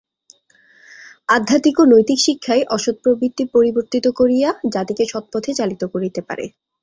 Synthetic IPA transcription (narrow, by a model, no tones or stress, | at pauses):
ad̪ʱːat̪ikonojt̪ikʃikʰːaeʔɔʃod̪̚pɾobɾit̪ːipoɾiboɾt̪it̪okoɾijad͡ʑat̪ikeʃɔt̪̚pɔt̪ʰet͡ɕalit̪okoɾit̪epa̰ɾḛ